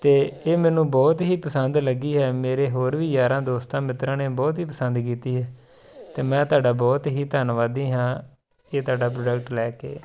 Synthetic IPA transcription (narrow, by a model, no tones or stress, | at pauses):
t̪eːeːmɛːnũːbɔːt̪ɦiːpəsənd̪ləɡiːɦɛːmeːɾeːɦoːɾʋiːjaːɾãːd̪oːst̪ãːmɪt̪ɾãːneːbɔːt̪ɦiːp̬əsənd̪kiːt̪iːɦɛː | t̪eːmɛ̃ːt̪ʊaːɖaːbɔːt̪ɦiːt̪əːnʋaːd̪iːɦãː | eːt̪aːɖaːp̬ɾoːɖək̚ʈlɛːkḛː